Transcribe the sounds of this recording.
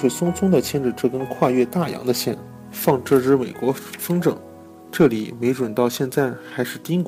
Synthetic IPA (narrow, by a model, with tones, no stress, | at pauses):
we˥˩sʊ˥ŋt͡sʰʊ˥ŋd̪ə˨t͡ɕʰjɛ˥nʈ͡ʂɻ̩˨˩ʈ͡ʂɤ˥˩kə˥nkʰwa˥˧ɥɛ˥˧t̪a˥˩jɑ̰˧˥ŋd̪ə˧ɕjɛ˥˩n | fɑ˥˧ŋʈ͡ʂɤ˥˧ʈ͡ʂɻ̩˥me˨˩ɪkwɔ˧˥fɤ˥ŋʈ͡ʂɤ˨˩˦ŋ | ʈ͡ʂɤ˥˩lḭ˨˩me˧˥ɪʈ͡ʂwə˨˩nt̪ɑ˥˧ʊɕjɛ˥˧nt͡sa˥˩ɪxa˧˥ɪʂɻ̩˥˩t̪i˥ŋk